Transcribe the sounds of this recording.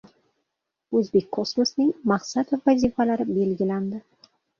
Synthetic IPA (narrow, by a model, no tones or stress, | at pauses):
ɵzbek̚ʲkʰosmosnɪŋmaqsat̪vazifalaɾɪbe̞lɡʲɪland̪ɪ